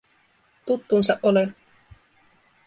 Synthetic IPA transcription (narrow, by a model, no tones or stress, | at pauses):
t̪ut̪ːunsɑʔʔole